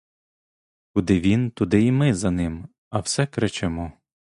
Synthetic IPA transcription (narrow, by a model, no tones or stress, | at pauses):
kʊd̪ɪʋʲint̪ʊd̪ɪimɪzɐnɪm | ɐwsɛkɾɪt͡ʃɛmɔ